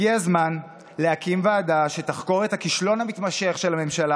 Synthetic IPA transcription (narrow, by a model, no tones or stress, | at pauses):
iazman | leakimvaːdaʃe̞taχko̞ʁethakiʃlo̞nhamit̪maʃe̞χʃe̞lhame̞mʃala